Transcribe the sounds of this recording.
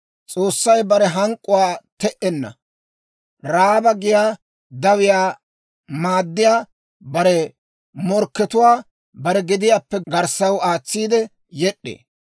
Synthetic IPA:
t͡sʼoːsːɐjbɐɾɛɦɐŋkʼːʊwaːt̪ɛʔɛnːɐ̰ | ɾaːbɐɡɪjaː | d̪ɐwɪjaː | maːd̪ːɪjaː | bɐɾɛ | mɔɾkːɛt̪ʊwaː | bɐɾɛɡɪd̪ɪjaːpːɛɡɐɾsɐwaːt͡sːiːd̪ɛ | jɛɗːḛː

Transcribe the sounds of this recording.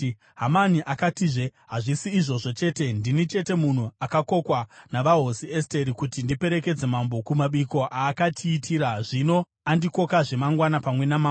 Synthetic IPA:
ɦamaniʔakatiʐeɦaʐisiːʐo̞ʐo̞t͡ʃe̞ːte̞ndinit͡ʃe̞te̞mun̤uakako̞kwanaʋaɦosie̞ste̞ɾikutindipe̞ɾe̞ke̞d͡ze̞mambo̞kumaɓiko̞ʔaːkatʰiːtʰiːɾaʐino̞ | andiko̞kaʐe̞maŋɡwanapamwe̞nama

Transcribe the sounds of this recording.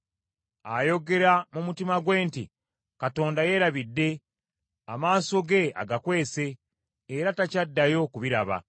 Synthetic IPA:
ajo̞ɡe̞ɾamumutimaɡwe̞ːnti | kato̞ːndaje̞ɾaβidːe̞ | a̰maːso̞ɡe̞a̰ɡakwe̞ːse̞ː | ɾatacadːajo̞kuβiɾaβa̰

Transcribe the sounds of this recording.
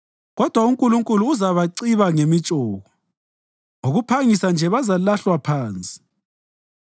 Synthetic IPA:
ɣɔd̥ʱwauŋkʼuluŋkʼuluːzaβaǀiβaŋemit͡ʃʼɔːɣɔ | oɣupʰaŋisand͡ʒʱɛβazalaɬwapʰaːnt͡sʼi̥

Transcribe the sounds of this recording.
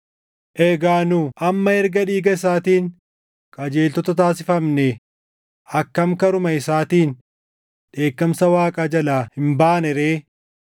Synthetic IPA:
ʔɛɡaːnuʔɐmːɐɛɾɡɐᶑiːɡɐɪs̬aːt̪iːŋ | kʼɐd͡ʒe̞ːlt̪ɔt̪ɐt̪aːsɪfɐmnɛ | ɐkːɐmkɐɾʊmɐɪsaːt̪iːn | ᶑe̞ːkːɐmsɐwaːkʼad͡ʒɐlaːhɪmbaːnɛɾeː

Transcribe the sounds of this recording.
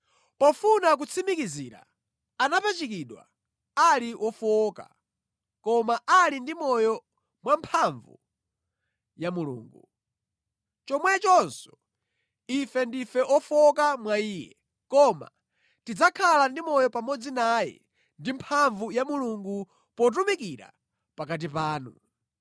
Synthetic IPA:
pɔfunak̬ut͡sʰimikizḭːɾa̰ | anapat͡ʃik̬iɗwa̰ | aliʔɔfɔka̰ | kɔmaʔalindimɔjɔ | mwampʰaɱvṵ | jamulṵːŋɡṵ | t͡ʃɔmwɛt͡ʃɔnsɔ̥ | ifɛndifɛʔɔfɔkamwaiːjɛ̰ | kɔma̰ | tid͡zakʰalandimɔjɔpamɔd͡zinajɛ̰ | ndimpʰaɱvujamuluŋɡu | pɔt̬umikiɾa̰ | pakat̬ipaːnu

